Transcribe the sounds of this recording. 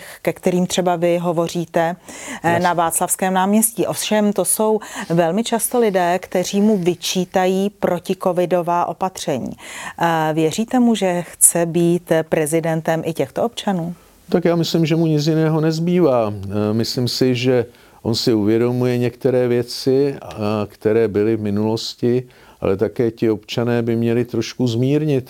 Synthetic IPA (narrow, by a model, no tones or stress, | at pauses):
xkɛkt̪ɛɾiːmt̪r̥ɛbavɪɦo̞vo̞r̝iːt̪ɛ | navaːt͡slafskɛːmnaːmɲɛsciːʔo̞fʃɛmt̪o̞so̞wvɛlmɪt͡ʃast̪o̞lɪdɛːkt̪ɛr̝iːmuvɪt͡ʃiːt̪ajiːpɾo̞cɪko̞vɪdo̞vaːʔo̞pat̪r̝̥ɛɲḭː | vjɛriːt̪ɛmuʒɛxt͡sɛbiːt̪pɾɛzɪdɛnt̪ɛmʔɪcɛxt̪oo̞pt͡ʃanuː | t̪akjaːmɪslɪmʒɛmuɲɪt͡sjɪnɛːɦo̞nɛzbiːvaːmɪslɪmsɪʒɛ | ʔo̞nsɪuvjɛdo̞mujɛɲɛkt̪ɛɾɛːvjɛt͡sɪkt̪ɛɾɛːbɪlɪvmɪnulo̞scɪ | ʔa̰lɛt̪akɛːcɪo̞pt͡ʃanɛːbɪmɲɛlɪt̪ɾoʃkuzmiːɾɲɪt̪